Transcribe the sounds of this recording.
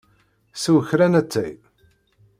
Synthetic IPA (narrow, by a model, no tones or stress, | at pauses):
suwçɾænæt͡sːæ̰j